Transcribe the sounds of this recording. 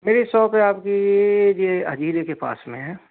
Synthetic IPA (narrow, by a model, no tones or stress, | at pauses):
meːɾesɔːpɦɛaːpkijed͡ʒeɐ̰d͡ʒʱiːɾekepa̰ːsmẽɦɛ̃ː